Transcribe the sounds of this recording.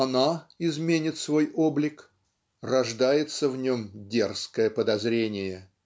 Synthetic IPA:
ɐnaɪzmʲenʲɪt̪svo̞jo̞blʲɪk | rɐʐd̪ajɪt̪səvnʲo̞mdʲerskəjəpəd̪ɐzɾʲenʲɪjə

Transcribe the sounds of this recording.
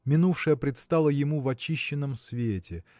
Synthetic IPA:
mʲɪnufʂɨjəpɾʲɪt̪st̪alˠəjɪmuvɐt͡ɕiɕːɪnːəmsvʲetʲɪ

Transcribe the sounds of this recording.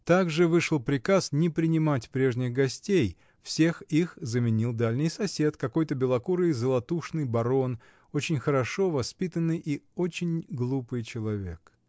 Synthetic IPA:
t̪aɡʐɨvɨʂəlˠpɾʲɪkasnʲɪpɾʲɪnʲɪmatʲpɾʲe̞ʐnʲɪxɡɐsʲtʲej | fsʲe̞xixzəmʲɪnʲilˠd̪alʲnʲɪjsɐsʲe̞t̪kɐko̞jt̪əbʲɪlˠɐkuɾɨjzəlˠɐt̪uʂnɨjbɐɾo̞n | ot͡ɕɪnʲxəɾɐʂo̞vɐspʲit̪ənːɨjʔiot͡ɕɪnʲɡlˠupɨjt͡ɕɪlˠɐvʲe̞k

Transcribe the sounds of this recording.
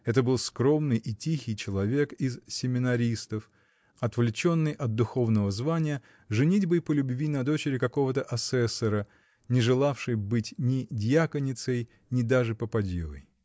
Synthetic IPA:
ɛt̪əbɨlˠskɾo̞mnɨjʔɪtʲixʲɪjt͡ɕɪlˠɐvʲe̞kɪzsʲɪmʲɪnɐɾʲist̪əf | ɐt̪vlʲɪt͡ɕo̞nːɨjʔɐt̪̚d̪ʊxo̞vnəvəzvanʲɪjə | ʐɨnʲitʲbɨpəlʲʊbvʲinɐd̪o̞t͡ɕɪɾʲɪkɐko̞vət̪əʔɐsɛsːəɾə | nʲɪʐɨlˠafʂɨjbɨtʲnʲɪdʲjakənʲɪt̪səj | nʲɪd̪aʐɨpəpɐdʲḭvə̰j

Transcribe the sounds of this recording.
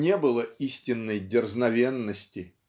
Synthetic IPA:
nʲebɨlˠəisʲtʲɪnːəjdʲɪrznɐvʲe̞nːəsʲtʲɪ

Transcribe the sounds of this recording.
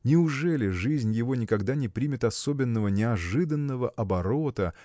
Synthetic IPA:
nʲɪʊʐɛlʲɪʐɨzʲnʲjɪvo̞nʲɪkɐɡd̪anʲɪpɾʲimʲɪt̪ɐsobʲɪnːəvənʲɪɐʐɨd̪ənːəvəʔɐbɐɾo̞t̪ə

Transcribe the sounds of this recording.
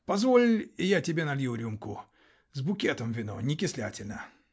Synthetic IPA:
pɐzvolʲɪjatʲɪbʲenɐlʲjuɾʲumkʊ | zbʊkʲet̪əmvʲɪno̰nʲɪkʲɪslʲatʲɪlʲnə

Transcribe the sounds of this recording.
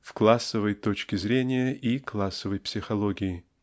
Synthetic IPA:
fklˠasːəvəjt̪ot͡ɕkʲɪzɾʲenʲɪjəʔiklˠasːəvəjpsʲɪxɐlˠoɡʲɪɪ

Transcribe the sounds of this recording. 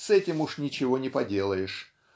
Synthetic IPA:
sɛtʲɪmuʂnʲɪt͡ɕɪvo̞nʲɪpɐdʲe̞lˠəjɪʂ

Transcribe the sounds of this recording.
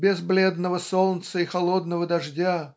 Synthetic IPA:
bʲɪzblʲed̪nəvəsolˠnt̪səɪxɐlˠod̪nəvəd̪ɐʐdʲa

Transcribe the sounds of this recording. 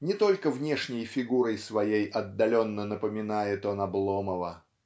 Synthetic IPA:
nʲɪt̪o̞lʲkəvnʲeʂnʲɪjfʲɪɡuɾəjsvɐjejʔɐd̪ːɐlʲo̞nːənəpəmʲɪnajɪt̪onɐblˠoməvə

